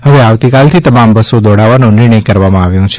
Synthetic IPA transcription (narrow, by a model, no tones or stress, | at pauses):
ɦəʋeaʋt̪ikalt̪ʰit̪əmambəsod̪ɔɽaʋanũnɪɾɳ̃əjkəɾʋamãaʋjũt͡ʃʰe